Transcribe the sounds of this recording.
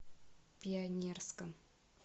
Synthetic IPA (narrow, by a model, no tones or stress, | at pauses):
pʲiɐnʲerskəm